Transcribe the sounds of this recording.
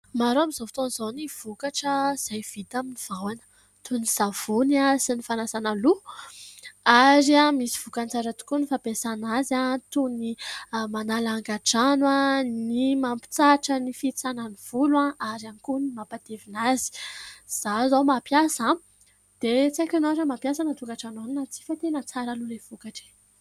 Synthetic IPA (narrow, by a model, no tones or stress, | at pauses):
maɾoamizovi̥t̪onz̥oniv̥ukaʈ͡ʂəz̥ajv̥it̪aminiv̥awanə̥ | t̪uniz̥av̥unasinifanasanalu | aɾiamisi̥v̥ukant͡saɾat̪u̥kunifapesanazat̪unimanalaŋɡaʈ͡ʂanwanimampi̥t͡saʈ͡ʂənifit͡sananiv̥ulãaɾanikunimapad̪evinazi̥z̥azowmapjasa | d̪̥et͡sakʲanazəmapjasanat̪ukaʈ͡ʂananinat͡si̥fat̪enət͡saɾəlulev̥ukaʈ͡ʂe̥